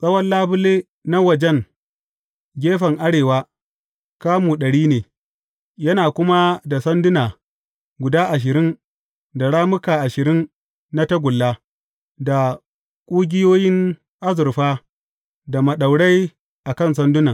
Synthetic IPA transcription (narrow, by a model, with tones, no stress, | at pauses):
sʼɐ˦wɐ˦nlaː˦bʊ˦leː˦ | na˦wɐ˨d͡ʒɛ˦ŋ | ɡʲeː˦ɸɐ˨ŋʔa˦ɽeː˨waː˦ | kaː˦muː˨ɗɐ˨ɽiː˦neː˨ | jɐ˦naː˨kʷʊ˦ma˦da˨sɐ˦ndʊ˦naː˨ | ɡʷʊ˨daː˦ʔa˨ʃ̬ɪ˨ɾɪ˦n | da˨ɽaː˦mʊ˦kaː˨ʔa˨ʃɪ˨ɾɪ˦nː | a˦tɐ˦ɡʷʊ˨lːaː˦ | da˨ | kʷʼʊ˦ɡʲɪ˦joː˦jɪ˦ŋ | ʔa˦zɪ˨ɾɸaː˦ | da˨mɐ˨ɗa˨wɽa˦j | ʔa˨kɐ˦ns̬ɐ˦ndʊ˦nɐ˨ŋ